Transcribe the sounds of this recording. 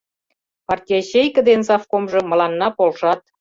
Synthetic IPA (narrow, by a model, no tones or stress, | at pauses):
pɑrtʲijeɕejkə̆d̪ensɑfkomʒɤ̆mə̆lɑnːɑpolʃɑt̪̚